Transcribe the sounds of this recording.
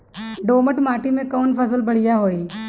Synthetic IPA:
ɖoːməʈmaːʈimẽkəʋnfəs̬əlbəɽ̤ijaɦoːiː

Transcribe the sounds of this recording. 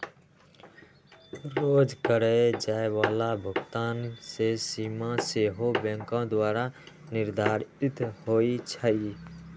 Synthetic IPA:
ɾoːd͡ʒkəɾeed͡ʒaːewaːlabʱʊɡt̪aːnsesiːmãseːɦobɛ̃ŋkãd̪waːɾa | nɪɾd̪ʱaːɾɪt̪hoːit͡ʃʰəi

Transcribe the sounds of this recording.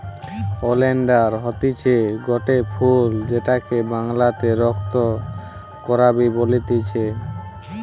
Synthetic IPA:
oleɳɖaɾɦɔt̪it͡ɕʰeɡɔʈepʰuld͡ʑeʈakebaŋlat̪eɾɔk̚ʰt̪o | kɔɾabibolit̪it͡ɕʰe

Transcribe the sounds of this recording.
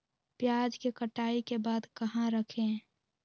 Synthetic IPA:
pjaːd͡ʒkekəʈaːikebaːd̪kəɦãɾəkʰẽ

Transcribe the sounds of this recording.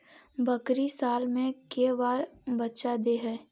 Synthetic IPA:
bɐkɾisaːlmẽkeʋaːɾbɐtːʃad̪eːɦɛː

